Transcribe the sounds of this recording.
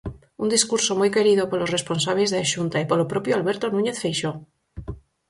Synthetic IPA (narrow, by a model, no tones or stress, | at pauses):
und̪iskuɾsomujke̞ɾiðopolosre̞sponsaβ̞lezðeaʃunt̪aipolopɾopjoalβeɾt̪onũɲe̞θfejʃo